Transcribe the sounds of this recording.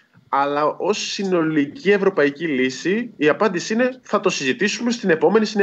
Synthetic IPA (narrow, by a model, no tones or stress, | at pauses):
ɐlɐʔo̞sːino̞licie̞vɾo̞pɐicilisiːɐpɐnd̪isiine̞θɐt̪o̞sizit̪isume̞st̪ine̞po̞me̞nisin